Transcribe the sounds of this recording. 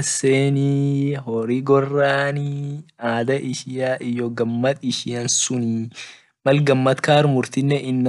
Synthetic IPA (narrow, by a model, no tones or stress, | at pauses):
seːniɦɔɾɪɡɔrːaːniaːd̪ɐʔɪʃɪjaʔɪjːɔɡɐmːɐt̪ɪʃɪjɐnsʊni | mɐlɡɐmːɐt̪kaːɾmʊɾt̪ɪnːɛʔɪnː